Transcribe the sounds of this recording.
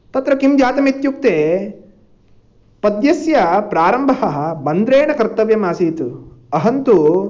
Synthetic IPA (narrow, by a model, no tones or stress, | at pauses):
t̪ɐt̪ɾɐkimd͡ʒaːt̪ɐmit̪juk̚t̪eː | pɐd̪jɐsjɐpɾaːɾɐmbʱɐɦɐɦɐbɐnd̪ɾeːɳɐkɐɾt̪ːɐʋjɐmaːsiːt̪uɐɦɐnt̪u